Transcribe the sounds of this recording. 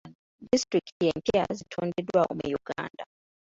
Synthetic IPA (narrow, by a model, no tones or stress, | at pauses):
distɾiktjeːmpia̰zitʰondedwao̰mujuɡa̰ːnda